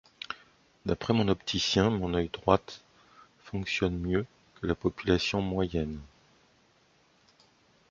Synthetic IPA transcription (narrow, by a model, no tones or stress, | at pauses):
d̪apχɛmɔ̃nɔpt̪ʰisjɛ̃mɔ̃nœjd̪ʁwat̪ | fɔ̃ksjɔnmjø | kəlapɔpylasjɔ̃mwajɛn